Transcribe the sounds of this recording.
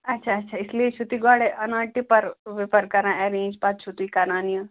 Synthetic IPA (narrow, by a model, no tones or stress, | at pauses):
ɐtːʃʰaɐtːʃʰaːɪsliet͡ʃʰut̪iɡɔːɽeʔɐnaːʈipɐɾʋɪpəɾkɐɾãɛɾẽːnd͡ʒpat̪t͡ʃʰut̪ikaːnaːnijã